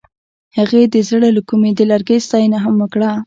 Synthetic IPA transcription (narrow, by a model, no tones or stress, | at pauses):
haɣed̪əzəɽalakumed̪əlaɾɡəjst̪ɑjənaɦamwəkɽa